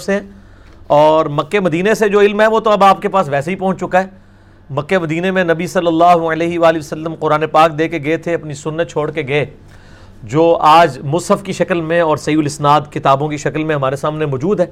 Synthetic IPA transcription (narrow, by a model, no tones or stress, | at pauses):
seɛ | ɔːɾmɐkːemɐd̪iːnesed͡ʒoːɪlmɦɛʋot̪oɐbaːp̚kepaːsʋɛːseɦipɐ̃ɦʊ̃ɲt͡ʃt͡ʃʊkaɦɛː | mɐkːemɐd̪iːnemẽnɐbisɐlːəlːaːɦuəleːɦiʋaːliʋɐsəlːəmqʊɾaːnepaːk̚d̪eːkeɡɐet̪ʰeɐpnisʊnːət̪̚t͡ʃʰoːɽkeɡɐe | d͡ʒoːaːd͡ʒmʊsɦəfkiʃɐkəlmẽɔːɾsɐɦiːʊlɪsnaːd̪kɪt̪aːbõkiʃɐklmẽɦɐmaːɾesaːmnemɔːd͡ʒuːd̪ɦɛː